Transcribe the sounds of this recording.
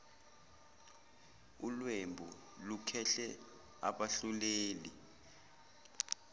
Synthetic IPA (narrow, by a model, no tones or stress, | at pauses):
ulwembʱu | lukʰɛɬɛ | a̰ɓaɬuleːli